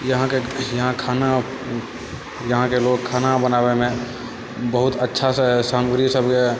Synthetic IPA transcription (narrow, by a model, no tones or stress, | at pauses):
jəɦãkejɐɦãkʰaːna | jɐɦãkeloːɡ̚kʰaːnabənaːbemẽ | bəɦʊt̪ətːʃʰassaːməɡɾisəbke